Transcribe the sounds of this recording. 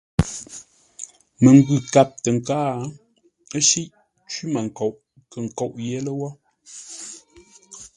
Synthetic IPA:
mə˨ŋ˦ɡʉ˨ka˨p̚tə˨ŋ̩˨kaː˦˨˦ | ə˦ʃi˦ʔ | t͡ʃwi˦ma˨ŋ˨ko˨ʔ | kə˨ŋ̩˨ko˨ʔjɛ˦lə˦wɔ˦

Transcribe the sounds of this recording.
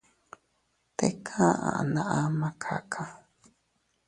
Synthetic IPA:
t̪e˦kʰã˦ʔã̰˨ʔa˨nã˧ʔã˦mã˧˦kʰa̰˨kʰã˧

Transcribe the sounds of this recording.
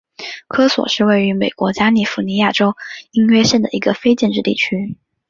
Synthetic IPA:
kʰɤ˥swɔ̰˨˩ʂɻ̩˥˧we˥˩ɪy˧˥me˨˩ɪkwɔ˧˥t͡ɕja˥ni˨˩fu˧˥ni˧˥ja˥˩ʈ͡ʂo˥ʊi˥ŋɥɛ˥ɕjɛ˥˩nd̪ə˩i˧˥ɡə˧fe˥ɪt͡ɕjɛ˥˧nʈ͡ʂɻ̩˥˧t̪ḭ˥˩t͡ɕʰy˥

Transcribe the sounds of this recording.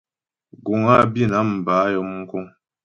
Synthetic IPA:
ɡu˨ŋa˦˨bi˦˨na˦m̩˨ba˨˦jɔ˦mŋ̩˦ku˦ŋ

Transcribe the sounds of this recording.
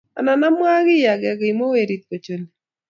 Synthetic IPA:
a̰˨na˨na˦mwa˦ɡɪ˦ja˨ɡɛ˨ɡi˨mo˦we˨ɾi˦t̪̚ko˨t͡ʃo˨le˨

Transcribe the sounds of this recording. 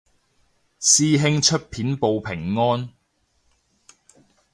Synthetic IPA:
siː˥ɦɪ˥ŋt͡ʃʰɵ˥t̚pʰiː˨˥npo˨˧wpʰɪ˨˩ŋːɔː˥n

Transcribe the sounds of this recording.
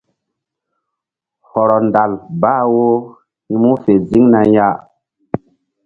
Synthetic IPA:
hɔ˨ɾɔ˨nda˨lbaː˦˨wo˦ | hĩ˦mu˦fe˨zi˦ŋna˨ja˦

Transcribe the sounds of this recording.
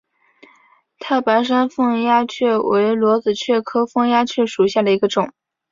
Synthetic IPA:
t̪ʰa˥˩pa˧˥ɪʂ̬a˥nfɤ˥˧ŋja˥t͡ɕʰɥɛ˥˩wʔe˧˥ɪlwɔ˧˥t͡sɹ̩˨˩t͡ɕʰɥɛ˥˩kʰɤ˥fɤ˥˧ŋja˥t͡ɕʰɥɛ˥˩ʂu˨˩ɕja˥˩d̪ə˩i˧˥ɡə˧ʈ͡ʂʊ˨˩˦ŋ

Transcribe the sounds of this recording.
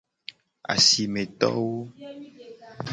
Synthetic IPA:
a̰˨si˨mẽ˨t̪ɔ̰˦wo˦

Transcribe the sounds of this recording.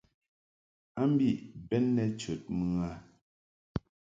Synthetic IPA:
a˦m˦bi˦˨bɛ˦nːɛ˦t͡ʃə˨t̚mɨ˦a˦

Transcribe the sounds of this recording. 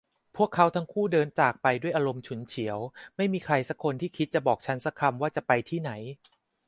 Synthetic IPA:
pʰu˥˩əkʰːa˦˥wt̪ʰa˦˥ŋkʰuː˥˩dɤː˧nt͡ɕaː˨˩k̚pa˧jdu˥˩əjʔa˧ɾo˧mt͡ɕʰu˩˦nt͡ɕʰi˩˦əwma˥˩jmiː˧kʰɾa˧jsa˦˥kʰːo˧nt̪ʰiː˥˩kʰi˦t̪̚t͡ɕa˨˩bɔː˨˩k̚t͡ɕʰa˦˥nsa˦˥kʰa˧mwaː˥˩t͡ɕa˨˩pa˧jt̪ʰiː˥˩na˩˦j

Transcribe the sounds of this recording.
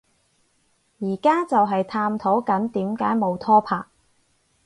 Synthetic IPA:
jiː˨˩kaː˥t͡sɐ˨wɦɐ˨jt̪ʰaː˧mt̪ʰo˨˥wkɐ˨˥nt̪iː˨˥mkaː˨˥jmo˨˧wt̪ʰɔː˥pʰa̰ː˧k̚

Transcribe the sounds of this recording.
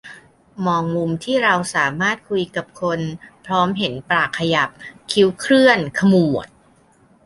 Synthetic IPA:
mɔː˧ŋmu˧mt̪ʰiː˥˩ɾa˧wsaː˩˦maː˥˩t̪̚kʰu˧jka˨˩p̚kʰo˧npʰɾɔː˦˥mɦe˩˦npɾaː˨˩kʰːa˧ja˨˩p̚kʰi˦˥wkʰɾɯ˥˩ənkʰa˧mu˨˩ət̪̚

